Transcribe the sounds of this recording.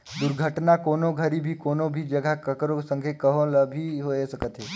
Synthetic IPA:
d̪uɾɡʱəʈnakoːnoɡʱəɾibʱikoːnobʱid͡ʒəɡʱakəkɾosə̃ŋɡʱekəɦõləbʱiɦoesəkət̪ɦe

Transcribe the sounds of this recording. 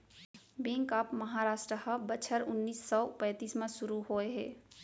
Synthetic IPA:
bẽːŋkaːpməɦaɾaːsʈɾəhəbət͡ʃʰəɾʊnːiːsːɔpɛ̃ːt̪iːsmãsʊɾuɦoeɦɛː

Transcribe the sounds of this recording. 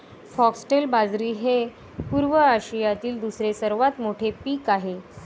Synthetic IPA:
fɔksʈelbad͡zɾiːɦe | puːɾʋəaɕijat̪iːld̪usɾesəɾʋat̪moʈʰepiːkaɦe

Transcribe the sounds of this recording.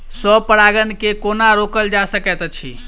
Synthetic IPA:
sɔbpəɽaɡənkekonaɾokəld͡ʒasəkɛt̪t͡ʃʰḭ

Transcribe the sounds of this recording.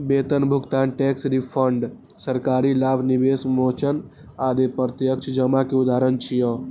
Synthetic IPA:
beːt̪ənbʱʊɡt̪aːnʈeːksɾipʰəɳɖ | səɾkaːɾilaːbʱnibeːsmoːt͡ʃən | aːd̪epət̪jəkt͡ʃʰd͡ʒəmakeud̪aːɾənt͡ʃʰijɔː

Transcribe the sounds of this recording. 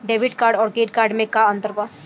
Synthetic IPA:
ɖeːʋɪʈkaːɾɖɔːɾkeːʈ̚kaːɾɖmẽkaɐ̃nt̪əɾbaː

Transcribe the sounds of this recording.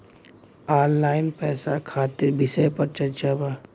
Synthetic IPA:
aːnlaːɪnpɛːsakʰaːt̪ɪɾbɪsəjpəɾt͡ʃɐɾt͡ʃabaː

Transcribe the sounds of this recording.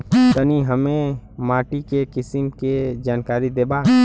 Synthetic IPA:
t̪əniɦəmẽmaːʈikekɪsɪmked͡ʒaːnkaːɾid̪eːbaː

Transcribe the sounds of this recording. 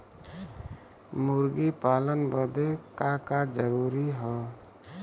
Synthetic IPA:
muɾɡipaːlənbəd̪ekakad͡ʒəɾuɾiɦɔ

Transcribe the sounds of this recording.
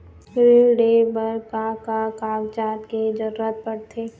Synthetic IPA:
ɾiɖebəɾkakakaɡt͡ʃaːt̪ked͡ʒəɾɾət̪̚pəɾt̪ʰeː

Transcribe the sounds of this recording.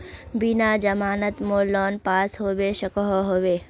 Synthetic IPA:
binad͡ʒɐmaːnət̪moːlɔːnpaːsɦoːʋeʃɐkɔɦoɦoːʋeː

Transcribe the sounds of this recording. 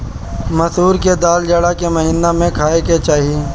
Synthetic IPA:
mɐsuːɾked̪aːld͡ʒaɽakemɐɦiːnamẽkʰaːeket͡ʃaːɦieː

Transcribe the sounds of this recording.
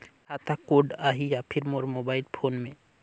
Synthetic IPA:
kʰat̪ʰakoɖaɦijapʰiɾmoɾmobailpʰonmẽ

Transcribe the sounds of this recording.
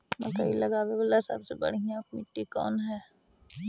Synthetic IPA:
mɐlkɐilɐɡaːʋeʋəlːasa̰bsebɐ̰ɽ̤ɦiaːpmɪʈːikɔ̰ːnɦɛː

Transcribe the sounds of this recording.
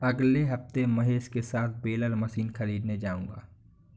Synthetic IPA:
ɐɡleɦɐft̪emɐɦeːskesaːt̪̚ʰbeːləlmɐsiːnxɐɾiːd̪ned͡ʒaːũːŋɡa̰ː

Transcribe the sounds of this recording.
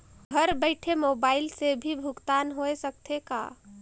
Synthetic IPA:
ɡʱəɾbəɪʈʰemobaɪlsebʱibʱʊkt̪anɦoesək̚t̪ʰeka̰

